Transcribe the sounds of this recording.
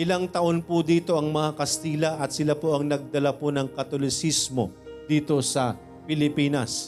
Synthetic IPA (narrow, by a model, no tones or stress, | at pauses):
ʔɪlaŋt̪ɐʔo̞npʊd̪iːt̪o̞ʔɐŋmɐŋakɐst̪iːlɐʔɐt̪sɪlapoʔɐŋnɐɡ̚d̪ɐlaponɐŋkɐt̪olɪsismo̞̰ | d̪iːt̪o̞sɐ | pɪlɪpiːnɐs